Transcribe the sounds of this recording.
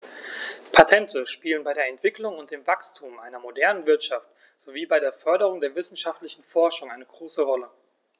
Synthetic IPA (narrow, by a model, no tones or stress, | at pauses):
pʰatʰɛntʰəʃpiːlənbaɪɾeːɐɛntv̥ɪklʊŋʊnt̚d̥eːmvakstʰuːmʔaɪnɐmodɛɐnənvɪɐtʃaft | z̥oviːbaɪɾeːɐfœɐɾəʁ̞ʊŋdeːɐvɪsn̩ʃaftlɪçn̩fɔɐʃʊŋʔaɪnəɡʁoːsəʁɔlə